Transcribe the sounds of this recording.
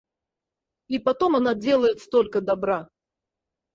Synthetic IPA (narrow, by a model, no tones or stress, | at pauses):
ipat̪ɔmanad͡zʲelˠɐjɛt̪st̪ɔlʲkɐd̪abɾa